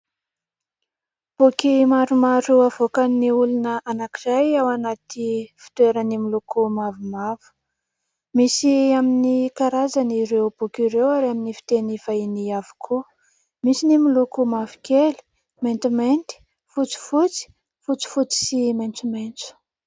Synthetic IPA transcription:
b̥ukimaɾumaɾuavokaniulunəʔanakizajawanat̪ifi̥t̪weɾənimilukumavumavu̥ | misiaminikaɾazaniɾewb̥ukiɾewaɾaminifi̥t̪eniv̥ainiavu̥kʰu | misinimilukumavi̥keli̥ | ment̪iment̪i̥ | fut͡si̥fut͡si̥ | fut͡si̥fut͡si̥siment͡sument͡su̥

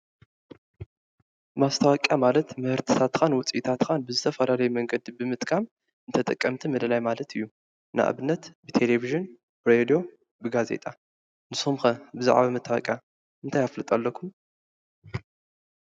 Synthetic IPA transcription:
mast̪ʰawakʼjamalɐt̪mɨhɨɾt̪ʰi̥t̪ʰat̪kʰanwʊt͡sʼʔit̪ʰat̪kʰanbɨzɨt̪ʰɐfɐlalɐjumɐŋɡɐd̪ibɨmɨt̪ʼkʰam | ɨnt̪ʰɐt̪ʼɐkʼːɐmt̪ʰimɐd̪ɐlajmalɐt̪ʰɨjːu | na̰ʔa̰βɨnːɐt̪bɨt̪ʰeleviʒɨn | bɨɾed̪ijo̞ | bɨɡazḛt̪ʼa | nɨsomxɐbɨza̰ʕβamɨt̪ʰːawɐ̰kʼja | ʔɨnt̪ʰajaflɨt̪ʼalːɐkʰːum

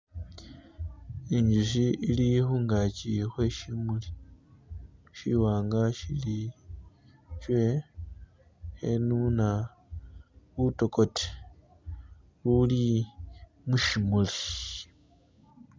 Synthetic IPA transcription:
iɲd͡ʒuʃ̬iilixuŋɡacixwe̞ʃimuli | ʃiwaːŋɡaʃili | t͡ʃwe̞ | hḛnuna | βuto̞ko̞te̥ | wuli | muʃimuli

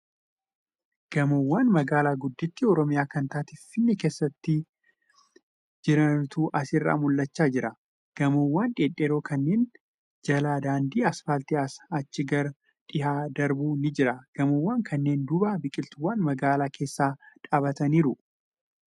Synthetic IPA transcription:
ɡ̥ɐmowːaːnmɐɡaːlaːɡʊd̪ːɪt̪ːɪɔɾɔmɪjaːkɐnt̪aːt̪ɪːɪnːɛke̞ːsːɐt̪ːɪ | d͡ʒɪɾɐnt̪uːʔɐsɪrːa̰ːmʊlːɐt͡ʃːaːd͡ʒɪɾɐ | ɡ̥ɐmowːaːnᶑeːᶑːeːɾo̞ːkɐnːe̞ːn | d͡ʒɐlaːd̪aːnd̪iːɐsfaːlt̪ɪɐsɐt͡ʃːɪɡɐɾ | ᶑɪɦaːd̪ɐɾbuːnɪd͡ʒɪɾɐɡ̥ɐmowːaːŋkʰɐnːe̞ːnd̪ʊbaːbɪkʼɪlt̪ʊwːaːnmɐɡaːlaːkʰe̞ːsːaːᶑaːbɐt̪ɐniːɾʊ

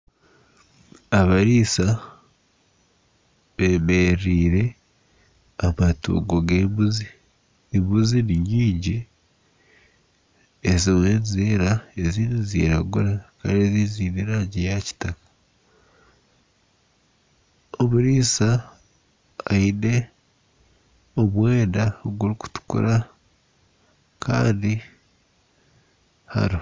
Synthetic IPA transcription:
aβaɾiːsa | βeːme̞ɾiːɾe̞ | amatṵːɡoɡe̞ːmbuziː | mbuziniɲiːɲɟi | ezimweːnzeːɾaeziːnizḭɾaɡuɾaka̰ɾeziziːniɾaɟejaci̥takḁ | oβuɾiːsa | aide̞ | oβweːdaoɡuɾiku̥tu̥kṵɾa | kʰa̰ːndi | ha̰ɾo

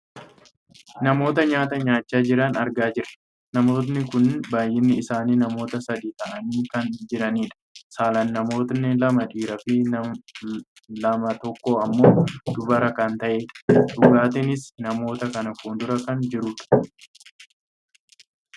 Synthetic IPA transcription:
nɐmo̞ːt̪ɐɲaːt̪ɐɲaːt͡ʃːaːd͡ʒɪɾɐnɐɾɡaːd͡ʒɪɾɐ̥ | nɐmo̞ːt̪̬nɪkʊnbaːjːɪnːɪːsaːniːnɐmo̞ːt̪ɐsɐd̪iːt̪ɐʔɐniːkɐnd͡ʒɪɾɐniːᶑɐ̥saːlɐnːɐmo̞ːt̪nɪlɐmɐᶑiːɾɐfɪ | lɐmɐt̪ɔkːoːɐmːo̞ːd̪ʊbɐɾɐkɐnt̪ɐʔeːᶑɐ̥ᶑʊɡaːt̪ɛnɪsnɐmo̞ːt̪ɐkɐnɐfuːnd̪ʊɾɐkɐnd͡ʒɪɾʊᶑɐ̥

